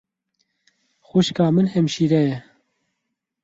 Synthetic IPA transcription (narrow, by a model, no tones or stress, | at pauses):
xuʃkɑːmɨnhɛmʃiːɾɛjɛ